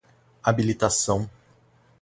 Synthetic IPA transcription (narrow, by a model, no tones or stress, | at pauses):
abilit̪asɐ̃w̃